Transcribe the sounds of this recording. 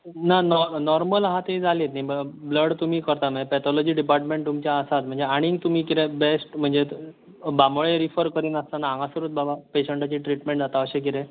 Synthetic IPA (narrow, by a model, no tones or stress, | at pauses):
nanɔnɔɾməlɦat̪eid͡zalet̪naibbləɽt̪um̤iːkəɾt̪am̤ə̃d͡zepɛt̪ʰɔlɔd͡ʑiːɖipaɾʈmeɳʈ̚t̪umt͡ɕjaəsat̪m̤əɳd͡zeaɽ̃ĩŋt̪um̤iːkiɾẽbesʈm̤əɳd͡ze | bamɭeɾifəɾkəɾiːnəst̪anãːŋɡãsuɾuːt̪̚babapeɕeɳʈat͡ɕiːʈɾiʈmẽɳʈd͡zat̪aəɕẽk̬it̪ẽ